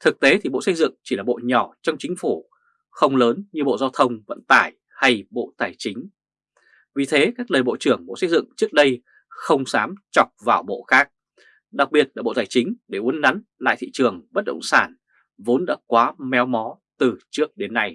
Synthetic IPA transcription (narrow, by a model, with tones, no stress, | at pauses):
t̪ʰɨ˨˩k̚t̪e˨˦t̪ʰi˨˩ɓo̰˧˨sə˧jzɨ̰˧˨ŋt͡ɕi˧˩laː˨˩ɓo̰˧˨ɲɔ˧˩t͡ɕɔ˧wŋ͡mt͡ɕï˨˦ŋ̟fu˧˩ | xə˧wŋ͡mləː˨˦nɲɨ˧ɓo̰˧˨zaː˧wt̪ʰə˧wŋ͡mvə̰˧˨nt̪aː˧˩j | ha˧jɓo̰˧˨t̪aː˧˩jt͡ɕï˨˦ŋ̟ | vi˨˩t̪ʰe˨˦kaː˦˥k̚ləː˨˩jɓo̰˧˨t͡ɕɨ˨˧˩əŋɓo̰˧˨sə˧jzɨ̰˧˨ŋt͡ɕɨ˦˥ək̚ɗə˧j | xə˧wŋ͡msaː˨˦mt͡ɕɔ˨˩t̚vaː˨˩wɓo̰˧˨xaː˦˥k̚ | ɗa˨˩k̚ɓi˨˩ət̚laː˨˩ɓo̰˧˨t̪aː˧˩jt͡ɕï˨˦ŋ̟ɗe˧˩ʔu˨˦ənna˨˦nla̰ː˧˨jt̪ʰḭ˧˨t͡ɕɨ˨˩əŋɓə˦˥t̚ɗə̰˧˨wŋ͡msaː˧˩n | vo˨˦nɗa̰ː˧˥kwaː˨˦mɛ˨˦wmɔ˨˦ | t̪ɨ˨˩t͡ɕɨ˦˥ək̚ɗe˨˦nːa˧j